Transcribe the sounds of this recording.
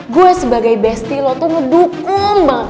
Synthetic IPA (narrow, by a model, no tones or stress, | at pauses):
ɡuɛsəbaɡajbɛst̪ilɔt̪ɔŋədukʊŋba